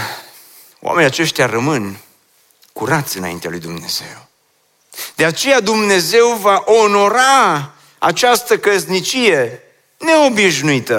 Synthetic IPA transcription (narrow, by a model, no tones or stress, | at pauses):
wʔa̰me̞nijat͡ʃe̞ʃt̪jarəmɨn | kuɾat̪sʲɨna̰ḭnt̪ea̰lujd̪umne̞z̥e̞̰w | d̪̥e̞at͡ʃe̞jad̪umne̞ze̞wvaʔono̞ɾa | at͡ʃast̪əkəznit͡ʃije̞ | ne̞o̞biʃnuit̪ə